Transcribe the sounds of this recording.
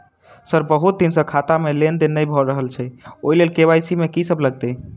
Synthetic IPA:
səɾbəɦut̪̚d̪insə̃kʰat̪amelend̪enəjbʱɔɾəɦəlt͡ʃʰɛoilelkeβajsimekisəbʱləɡ̚t̪ɛ

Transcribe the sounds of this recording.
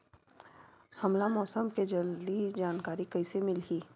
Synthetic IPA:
hɐmlamɔːsəmked͡ʒɐld̪id͡ʒaːnkaːɾikɐisemɪlɦiː

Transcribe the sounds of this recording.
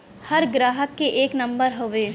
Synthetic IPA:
hɐɾɡɾaːɦəkːeʔeːknɐ̃mbəɾɦoʋeː

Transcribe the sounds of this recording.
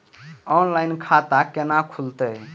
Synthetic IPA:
ɔnlajnkʰat̪akenakʰult̪ə

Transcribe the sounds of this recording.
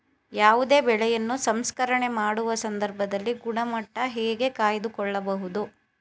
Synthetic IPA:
jaːʋud̪e̞ːbɛɭɛjɐnːusɐmskɐɾɐɳe̞maːɽuʋɐsɐnd̪ʱɐɾbʱɐd̪ɐlːiɡuɳɐmɐʈːɐɦɛːɡe̞kaːjɐd̪ukɔɭːɐbɐɦud̪u

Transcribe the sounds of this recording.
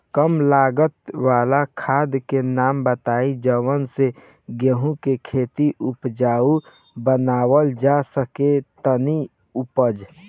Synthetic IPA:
kəmlaːɡət̪waːlakʰaːd̪kenaːmbət̪aːid͡ʒəwənse | ɡẽɦũkekʰeːt̪iʔʊpd͡ʒaːu | bənaːwəld͡ʒasəket̪əni | upəd͡ʒ

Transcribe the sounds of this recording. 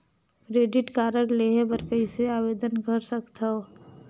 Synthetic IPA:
kɾeːɖɪʈkaːɾəɽleːɦebəɾkəɪseaːʋeːd̪ənkəɾsəkt̪ao

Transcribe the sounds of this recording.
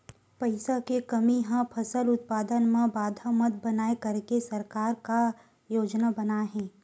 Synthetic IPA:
pɐɪsakekɐmiɦãpʰɐsəlʊt̪̚paːd̪ənmẽbaːd̪ʱamɐt̪̚bɐnaːekɐɾkesɐɾkaːɾka | joːd͡ʒnabɐnaɦɛ̃ː

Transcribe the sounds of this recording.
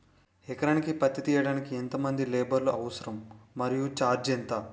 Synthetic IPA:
ɛkɐɾɐnikipɐt̪ːit̪iːjɐɽaːnikiɛnt̪ɐmɐnd̪ileːbɐɾluʔɐʋɐsɐɾɐmːɐɾijut͡ʃaːɾd͡ʒent̪ɐ

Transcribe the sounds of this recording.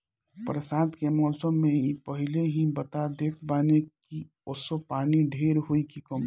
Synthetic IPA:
pɾəsad̪kemɔːsəmːeipəɦileɦibət̪ad̪ekʰbaːneki | osopaːniɖʱeɾɦoikikəm

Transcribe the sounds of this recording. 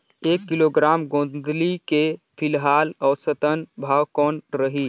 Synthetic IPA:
eːkːiloɡɾaːmɡõːd̪like | pʰilɦaːlɔːɾsət̪ənbʱaːwkɔːnɾəɦi

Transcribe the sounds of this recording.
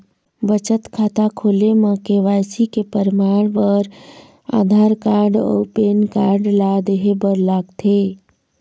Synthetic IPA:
bət͡ʃət̪kʰat̪akʰolemə̃keʋasikepəɾmaɽ̃bəɾ | a̰ːd̪ʱaɾkaɾɖɔ̰ːpenkaɾɖlad̪eɦebəɾlaːɡt̪ʰe

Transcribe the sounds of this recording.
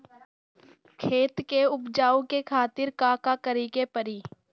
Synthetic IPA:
kʰeːt̪keʊpd͡ʒaːõkekʰaːt̪ɪɾkaːkakəɾikepəɾiː

